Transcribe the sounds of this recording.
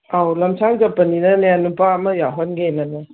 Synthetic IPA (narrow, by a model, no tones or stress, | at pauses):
awlɐmsʰaŋɡɐpːɐninɐljanːupaːmɐjaɦɔnɡenɐnɐ